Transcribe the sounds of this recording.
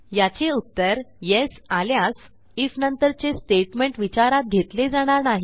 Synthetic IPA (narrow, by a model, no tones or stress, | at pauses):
jat͡ɕeut̪ːəɾjesaljas | ifnənt̪əɾt͡sesʈeʈmeɳʈʋit͡ɕaɾat̪̚ɡʱet̪led͡zaɽ̃aɾnaɦi